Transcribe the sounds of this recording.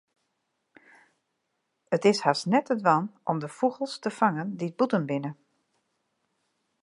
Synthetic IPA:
ətɪshasnɛtədʋɑnʔɔmdəfuɣəlˠstəfaŋəndid̚butənbɪnə

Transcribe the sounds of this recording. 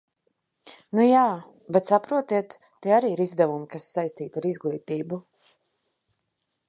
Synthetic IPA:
nujaː | bɛt̪sapɾuɔt̪iɛt̪ːɛaɾiːiɾizd̪ɛvumikasːajst̪iːt̪aɾizɡlˠiːt̪iːbu

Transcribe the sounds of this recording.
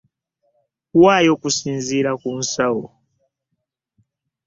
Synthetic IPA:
wajɔkusinziɾakun̩sawɔ

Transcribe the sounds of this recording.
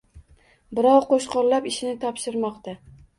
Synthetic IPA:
bɪɾɒwqoʃqɒɾlapɪʃɪnɪt̪ʰɒpʃɪɾmɒqt̪a

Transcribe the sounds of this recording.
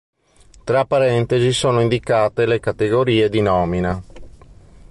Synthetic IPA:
t̪ɾapːaɾɛnt̪ezisoːnoind̪ikaːt̪elekat̪eɡoɾiːed̪inɔːmina

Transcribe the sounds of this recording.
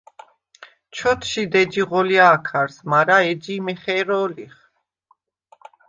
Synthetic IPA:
t͡ʃʰɔt̪ʰʃid̪ɛd͡ʒiʁɔliaːkʰaɾsmaɾaɛd͡ʒimɛχɛɾɔːliχ

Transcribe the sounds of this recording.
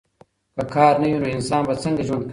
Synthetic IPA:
kɐkʰɑːɾnɐjunoɪnsɑːnbat͡sɐŋɡɐʒwɐnd̪̚k

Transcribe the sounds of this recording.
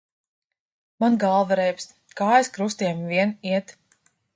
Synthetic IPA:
manɡalˠvaɾɛjps | kaːjɛskɾust̪iɛmviɛniɛt̪

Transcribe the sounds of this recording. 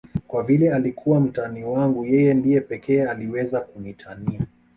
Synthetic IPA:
kwavilɛalikʰuwam̩taniwaŋɡujɛjɛndijɛpɛkɛːaliwɛzakunitʰania

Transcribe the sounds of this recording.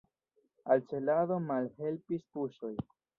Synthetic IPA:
alt͡ʃe̞laðo̞malhe̞lpispuʃo̞j

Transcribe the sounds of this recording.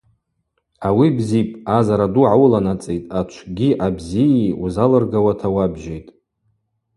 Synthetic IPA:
awibzipʼazaɾaduʕawulanat͡sʼejtʼat͡ʃʷʰɡʲiʔabzijiuzalɨrɡawatʰawabʒejtʼ

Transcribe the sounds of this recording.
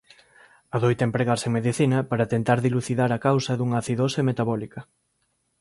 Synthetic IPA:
ɐðojt̪empɾeɣaɾseŋmeðiθinɐpaɾɐt̪ent̪aɾðiluθiðaɾɐkawsɐðuŋɐːθiðosemet̪aβɔlikɐ

